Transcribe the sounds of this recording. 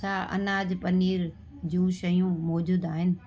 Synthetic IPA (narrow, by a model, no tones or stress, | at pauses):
aʔɐ̰naːd͡ʑpɐniːɾ | d͡ʑũːʃɐjũmɔːd͡ʑuːd̪aːɦɪnɪ̆